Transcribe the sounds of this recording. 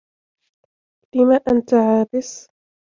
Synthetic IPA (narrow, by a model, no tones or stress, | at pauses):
lɪmaːʔant̪aʕaːbɪs